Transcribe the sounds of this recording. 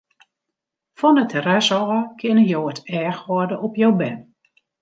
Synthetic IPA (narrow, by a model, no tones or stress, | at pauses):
fɔnətʰərɛsɔəkʰɪnəjoətʰɛːxʋɔdəʔɔpjowbɛn